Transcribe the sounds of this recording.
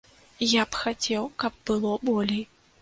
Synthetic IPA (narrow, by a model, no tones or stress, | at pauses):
japxat͡sʲɛwkɐb̚ːɨlˠɔbɔlʲej